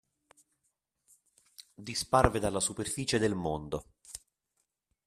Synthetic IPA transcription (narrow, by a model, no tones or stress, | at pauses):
d̪isparved̪alːasuperfiːt͡ʃed̪elmond̪o